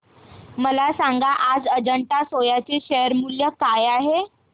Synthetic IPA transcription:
məlasãŋɡaʔad͡zəd͡ʑəɳʈasojat͡seɕeɦəɾmuljəkajaɦe

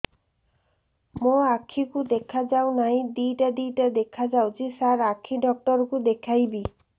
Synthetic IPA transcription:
moakʰikud̪ekʰad͡ʒawnaɦĩd̪iʈad̪iʈad̪ekʰad͡ʒawt͡ʃʰisaɾakʰiɖɔk̚ʈɔɾɔkud̪ekʰajbi

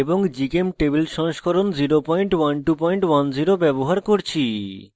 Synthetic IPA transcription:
eboŋd͡ʑikemʈebelʃɔŋʃkʰɔɾond͡ʑiɾopɔjɳʈwanʈupɔjɳʈwand͡ʑiɾobɛboɦaɾkoɾt͡ɕʰi

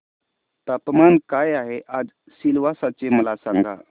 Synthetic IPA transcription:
t̪apmankajaɦeʔad͡ʒ | silʋasat͡ʃeməlasaŋɡa̰

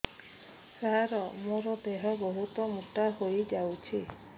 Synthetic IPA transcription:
saɦaɾɔmoɾɔd̪eɦɔbɔɦut̪ɔmuʈahojd͡ʒawt͡ʃʰi

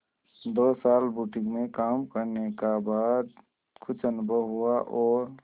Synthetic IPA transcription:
d̪oːsaːlbuʈɪ̃ŋɡmẽkaːmkəɾnekabaːd̪̚ | kʰʊt͡ʃənʊbʱəɦuaʔɔːɾ

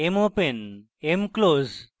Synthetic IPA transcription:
emopen | emkloz

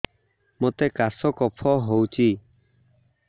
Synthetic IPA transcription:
mot̪ekasɔkɔpʰɔɦowt͡ʃʰi

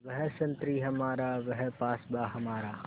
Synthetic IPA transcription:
ʋɐɦɛsɐ̃nt̪ɾiɦɐmaːɾaʋɐɦɛpaːsbaːɦɐmaːɾaː

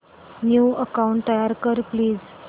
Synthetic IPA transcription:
njuːəkauɳʈ̚t̪əjaɾkəɾpliːz

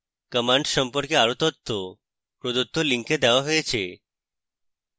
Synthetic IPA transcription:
kəmãɳɖsəmpɔɾkeaɾut̪ɔt̪ʰːo | pɾɔd̪ut̪ʰːoliŋked̪ɛʋaɦɔjet͡ʃʰe

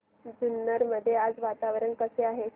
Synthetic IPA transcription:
d͡zunːəɾməd̪ʱːjead͡zʋat̪aʋɾəɳkəseaɦe

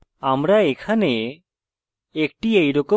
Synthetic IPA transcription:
amɾaekʰane | ek̚ʈiejɾɔko

